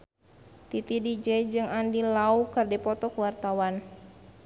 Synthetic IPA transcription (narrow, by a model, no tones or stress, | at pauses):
t̪it̪idid͡ʒɛd͡ʒɨŋandilaukardɛpɔt̪ɔkuwart̪awan